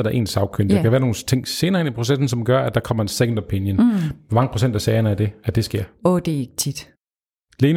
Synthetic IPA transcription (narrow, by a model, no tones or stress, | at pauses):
ɐɾ̥ɑ̈ʔe̝̰ːnsɑ̈ʊkʰønd̥ekʰæʋæːɐno̝ːn̩t͡sʰe̝ŋ̰se̝ːnɐːenipʰʁo̝sesn̩sɒ̽mɡ̥ɶɐæd̥ɑ̈kʰɒ̽m̰ɐensekn̩d̥ɐpʰenjənmɑ̈ŋəpʰʁo̝sen̰d̥æsɛːɪɐnəæd̥e̝æd̥e̝sɡ̥e̝ɐ̰ɔd̥eeɡ̥ət͡sʰid̥ | leːn